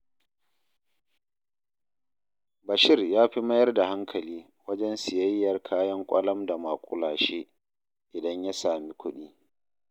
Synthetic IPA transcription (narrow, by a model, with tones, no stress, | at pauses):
bɐ˨ʃɪ˦rjaː˦ɸi˦mɐ˦jɐ˦rda˨ha˦ŋkʰɐ˨liː˦ | wɐ˦d͡ʒɛ˦nsɪ˨jɐ˦jːɐ˨rkʰaː˦jɐ˦ŋkʷʼɐ̰˦lɐ˦mda˨ma˨kʷʼʊ˦laː˨ʃeː˦ | ʔɪ˨dɐ˦ɲja˦saː˨mi˦kʷʊ˦ɗiː˦